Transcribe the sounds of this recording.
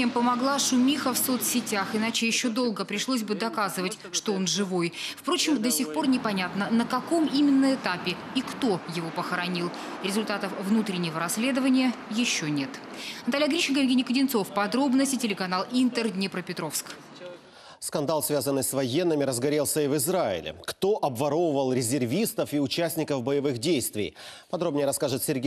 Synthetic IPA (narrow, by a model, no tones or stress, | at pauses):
ɪmpəmɐɡlˠaʂʊmʲixəfso̞t̪sʲɪtʲaxɨɪnat͡ɕɪjɪɕːo̞d̪o̞lˠɡəpɾʲɪʂlˠos̬ʲbɨd̪ɐkazɨvətʲʂt̪oo̞nʐɨvojfpɾo̞t͡ɕɪmd̪əsʲɪxpo̞rnʲɪpɐnʲat̪nənəkɐko̞mimʲɪnːəɪt̪apʲɪ | ikt̪o̞jɪvo̞pəxəɾɐnʲilˠ | ɾʲɪzʊlʲt̪at̪əfvnut̪ɾʲɪnʲːɪvəɾɐsʲlʲe̞d̪əvənʲɪjə | jɪɕːo̞nʲe̞t̪nnɐt̪alʲɪjɐɡɾʲiɕɪnk̬əjɪvɡʲenʲɪjkədʲɪnt̪so̞fpɐd̪ɾo̞bnəsʲtʲɪtʲɪlʲɪkɐnalˠint̪ərd̪ʲnʲɪpɾəpʲɪt̪ɾo̞fsk | skɐnd̪alˠsvʲazənːɨjsvɐjenːɨmʲɪɾəzɡɐɾʲelˠsʲəivɨzɾaɪ̰lʲɪ̰kt̪o̞ʔɐbvɐɾo̞vəvəlˠɾʲɪzʲɪrvʲist̪əfiʊt͡ɕæsʲnʲɪkəfbəjɪvɨxdʲejst̪vʲɪ̰jpɐd̪ɾo̞bnʲɪjəɾɐskaʐɨt̪sʲɪrɡʲe